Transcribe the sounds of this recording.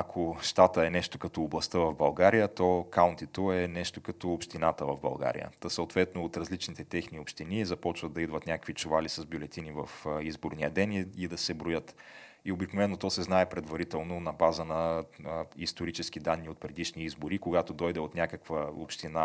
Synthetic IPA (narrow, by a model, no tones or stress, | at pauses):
ɐkʰoʃt̪at̪əɛnɛʃt̪okɐt̪ɔːblˠɐst̪əvɐvbɐlˠɡaɾijət̪ɔkaʊnt̪it̪oɛnɛʃt̪okɐt̪oːpʃt̪inat̪əvɐvbɐ̰lˠɡa̰ɾḭjə̰səʊt̪vɛt̪noːt̪ɾɐzlit͡ʃnit̪ɛt̪ɛxniopʃt̪inizɐpɔt͡ʃvəd̪ɐid̪vɐt̪nʲakəkvit͡ʃʊvalisɐzbʲjʊlɛt̪inivɐfizboɾniəd̪ɛniid̪ɐsɛbɾojət̪ | iobiknovɛnːot̪ɔsɛznaɛpɾɛd̪vɐɾit̪ɛlˠnonɐbazənɐ | ist̪oɾit͡ʃɛsk̟id̪anːiot̪̚pɾɛd̪iʃniizboɾikoɡat̪od̪ɔjd̪ɛot̪nʲakəkvəo̰pʃt̪ina